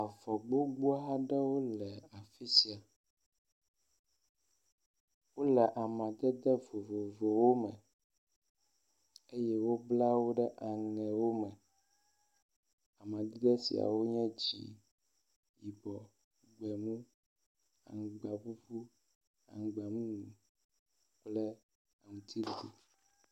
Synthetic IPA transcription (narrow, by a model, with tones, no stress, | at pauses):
a˨vɔ˨ɡ͡bo˦ɡ͡bu˦a˦ɦa˦ɖɛ˦wo˦lɛ˨a˨fi˦si˨a˨ | wo˦lɛ˨ʔa˨mã˨d̪ɛ˦d̪ɛ˦vo˨vo˨vo˨wo˦mɛ̃˨ | e˦jɛ˦wo˦bla˦wo˦ɖɛ˦ʔa˨ŋɛ̃˨wo˦mɛ̃˨ | a˨mã˨d̪i˦ɡ̪ɛ˦sḭ˨a̰˨wo˦ɲɛ̃˦d͡ʑḭ˨ | ji˨bɔ˨ | ɡ͡bɛ˨ŋũ˦ | a̰˨ŋ˨ɡ͡ba˨vu˦ɸu˦ | a̰˨ŋ˨ɡ͡ba˨ŋũ˦ŋũ˨ | k͡plɛ˦ | a˨ŋũ˨t̪ʰi˦li˨d̪i˨